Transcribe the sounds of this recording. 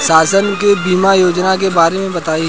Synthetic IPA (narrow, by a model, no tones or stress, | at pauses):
ʃaːsənkebiːmajoːd͡ʒnak̬ebaːɾemẽbɐt̪aːi